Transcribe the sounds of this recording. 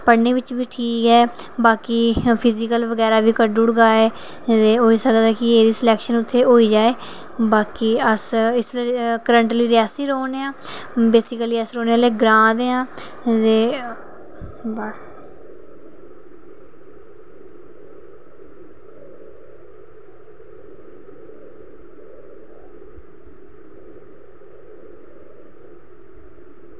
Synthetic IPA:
pəɽneːʋɪt͡ʃʋiːʈʰiːkɦɛː | baːkiːpʰɪzɪkəlʋəɡɛːɾaːʋiːkəɖʊɽɡaːɛː | t̪eːɦoːiːsəkd̪ɛːkɪeːɾiːsɪlɛːkʃənʊt̪ʰːeːɦoːiːd͡ʒaːeː | baːkiːəsɪslːkəɾəɳʈliːɾɪaːsiːɾoːneːãː | beːsɪkəliːəsɾoːneːaːleːɡɾãːd̪eːãː | deː | bəs

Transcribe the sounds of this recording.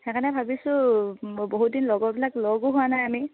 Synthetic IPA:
ɛkʰanɛbʱabisʊ̃ | boɦut̚dinlɔɡɔbilaklɔɡʊɦuanajami

